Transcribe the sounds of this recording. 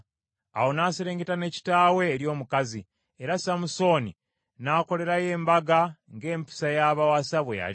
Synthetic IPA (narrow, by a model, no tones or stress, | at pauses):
a̰ho̞naːseɾe̞ːŋɡetane̞ci̥taːwe̞ːɾjo̞ːmukazi | eɾasamuso̞ːni | naːko̞le̞ɾaje̞ːmbaɡaŋɡe̞ːmpi̥sajaːβawasaβweja̰li